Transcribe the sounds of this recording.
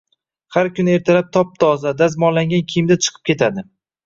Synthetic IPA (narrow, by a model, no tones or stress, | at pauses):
haɾkʲʊnɪe̞ɾt̪ʰalap̚t̪ʰɒp̚d̪ʰɒɒzad̪asmɒllaŋɡʲankʲʰijɪmd̪at͡ʃʰɨ̥qʰɨ̥p̚kʰʲe̞t̪ʰad̪ɪ